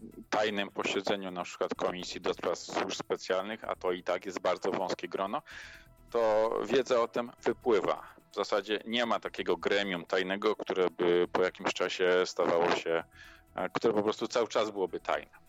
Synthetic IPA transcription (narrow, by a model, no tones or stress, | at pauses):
t̪ajnɘmpɔɕɛd̪zɛɲunapʂɘ̥kwat̪kʰɔmʲisʲjid̪ɔspɾafswuʂspɛt̪sʲjalnɘxa̰t̪ɔit̪akjɛzd̪̚baɾd̪zɔvɔ̃w̃skʲɛɡɾɔnɔ | t̪ɔvʲjɛd̪zɛɔt̪ɛmv̥ɘpwɘva̰vzasad͡ʑɛɲɛmat̪akʲɛɡɔɡɾɛmʲjumt̪ajnɛɡɔk̚t̪uɾɛbɘpɔjakʲimɕt͡ʂaɕɛst̪avawɔɕɛ | kt̪uɾɛpɔpɾɔst̪ut̪sawɘt͡ʂazbɘwɔbɘt̪ʰa̰jnɛ